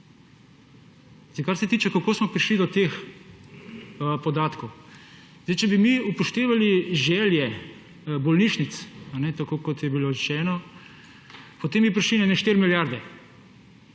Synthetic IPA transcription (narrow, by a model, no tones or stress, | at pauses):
zejkaɾsɛt̪iːt͡ʃɛkakoːsmɔpɾiʃlid̪ɔt̪ex | pɔd̪aːt̪kow | zejt͡ʃɛbimiupɔʃt̪eːʋaliʒɛːljɛ | bɔlniʃnit̪sanɛt̪akokɔt̪jɛbiloɾɛʃɛːnɔ | pɔt̪eːmbipɾiʃlinɛnɛʃt̪eɾmiljaɾd̪ɛ